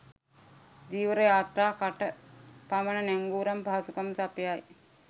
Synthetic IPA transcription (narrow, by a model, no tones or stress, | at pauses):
d̪iːʋəɾəjaːt̪ɾaːkaʈəpamənənæŋɡuːɾɐmpaːsukamsapjaj